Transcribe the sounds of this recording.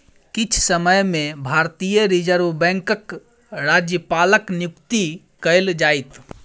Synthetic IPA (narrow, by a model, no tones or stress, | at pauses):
kit͡ʃʰsəməjmebʱaɾt̪ijəɾid͡ʒəɾbɛ̃ŋkək | ɾad͡ʒjəpaləknjukt̪i | kəɪld͡ʒajt̪